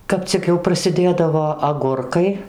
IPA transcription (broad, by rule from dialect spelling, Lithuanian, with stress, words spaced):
ˈkɐp t͡sʲɪk jɛʊ prɐsʲɪˈdʲeːdɐʋoː ɐˈɡʊrkɐɪ